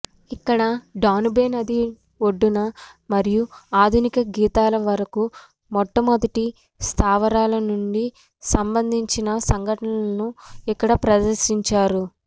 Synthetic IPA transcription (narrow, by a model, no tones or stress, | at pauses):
ikːɐɽɐɖaːnbeːnɐd̪i | oɖːunɐ | mɐɾijuaːd̪ʱunikɐɡiːt̪aːlɐʋɐɾɐku | mɔʈːɐmɐd̪ɐʈi | st̪ʰaːʋɐɾaːlɐnuɳɖi | sɐmbɐnd̪ʱiɲt͡ʃinɐsɐŋɡʱɐʈɐnɐɐnuikːɐɽɐpɾɐd̪ɐɾsiɲt͡ʃaːɾu